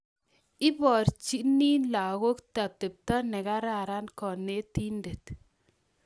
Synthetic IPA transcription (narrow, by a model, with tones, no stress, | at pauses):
ɪ˦bɔ˨ɾt͡ʃi˦ni˦nla˨ɣo˦kta˨p̚te˨p̚ta˦nɛ˨ka˦ɾa˨ɾa˦nkɔ˨ne˦ti˦nde˨t̪